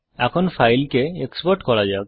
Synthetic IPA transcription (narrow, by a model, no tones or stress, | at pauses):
ɛkʰɔnpʰajlkeekspɔɾʈkɔɽad͡ʒak